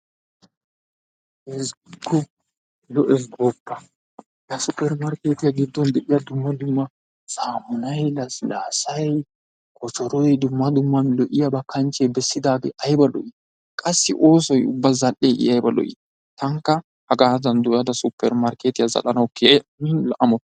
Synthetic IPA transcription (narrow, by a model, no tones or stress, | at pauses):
ʔɛsɡɔ | lɔʔɛs̬ɡɔpːɐ̥ | jɐsʊpːɛɾmɐɾkeːt̪ɪjɐɡɪd̪ːɔnd̪ɛʔɪjɐd̪ʊmːɐd̪ʊmːɐ | saːmʊnɐjlɐslaːsɐj | kʰʼɔt͡ʃɔɾɔjd̪ʊmːɐd̪ʊmːɐmlɔʔɪjɐbɐkːɐnt͡ʃebɛsːɪd̪aːɡɛʔɐjbɐlɔ̰ʔɪ | kʼɐsːɪʔo̞ːsɔjʊ̰bːɐzɐlʔeːʔɪ̰ɐjbɐlɔ̰ʔɪ̰ | t̪ɐŋkːɐ | hɐɡaːzɐnd̪ʊjɐd̪ɐsʊpːɛɾmɐɾkeːt̪ɪjɐzɐ̰lɐnɐwkːeminlɐʔɐmɔt̪